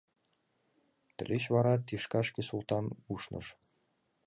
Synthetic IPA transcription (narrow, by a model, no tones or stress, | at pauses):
t̪ʲɘ̆lʲeɕβɑɾɑt̪iʂkɑʃkʲesulˠt̪ɑnuʃnɤ̰̆ʂ